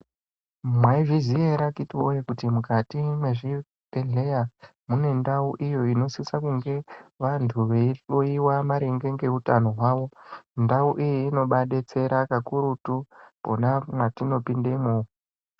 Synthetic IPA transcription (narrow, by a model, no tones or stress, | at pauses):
mwaiʐizieɾakitiwojekutimukatimwe̞ʐi | bʱeɮe̞ja | mune̞ndauʔijo̞ino̞sisakuŋɡe̞ʋantʰuʋeoiwamaɾeŋɡe̞ŋɡe̞utano̞ɦwaːʋo̞ndauʔijiino̞ɓaɗet͡se̞ɾakakuɾutupo̞̰namwatino̞pindemuː